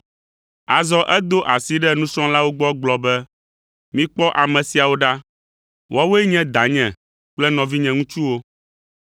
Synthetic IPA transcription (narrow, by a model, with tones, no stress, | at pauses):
a˨zɔ˦ʔɛ˦d̪o˦ʔa˨si˦ɖɛ˦nũ˦sɔ̃˦la˦wo˦ɡ͡bɔ˦ɡ͡blɔ˨bɛ˦ | mĩ˦k͡pɔ˦ʔa˨mɛ̃˨si˨a˨wo˦ɖa˦ | wɔ˦wo˦ɛ˦ɲɛ̃˦d̪a˨ɲɛ̃˨ | k͡plɛ˦nɔ̃˨vi˦ɲɛ̃˨ŋũ˦t͡ʃu˦wo˦